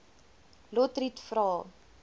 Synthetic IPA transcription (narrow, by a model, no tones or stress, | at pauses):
lɔtritfrɑː